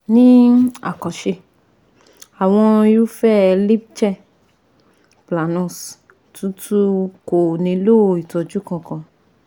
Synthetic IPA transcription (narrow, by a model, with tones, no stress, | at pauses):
nĩ˦a̰˨kɔ˨ʃe˧ | a˨w̃ɔ̃˧jo˦fɛ˦li˦b̚t͡ʃɛ˦˨ | pla˨nɔ̃˦˨s | tũ˦tu˦ko˨nĩ˧˦lo˦˨i˨tɔ˨d͡ʒu˦kã˧kã˧